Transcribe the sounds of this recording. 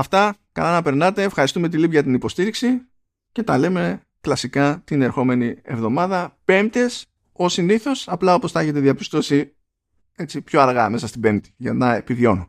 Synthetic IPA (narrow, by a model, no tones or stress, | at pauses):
ɐft̪ɐ | kɐlɐnɐpe̞ɾnɐt̪e̞ːfxɐɾist̪ume̞t̪̬ilipʝɐt̪inipo̞st̪iɾiksi | ce̞t̪ɐle̞me̞ | klɐsikɐt̪ine̞ɾxo̞me̞nie̞̰vðo̞mɐðɐpe̞mt̪es | o̞siniθo̞sɐplɐo̞po̞sθɐeçe̞t̪e̞ðiɐpi̥st̪o̞si | e̞t͡sipço̞ɐɾɣɐme̞sɐst̪ibe̞mt̪i̥ʝɐnɐe̞piðo̞nu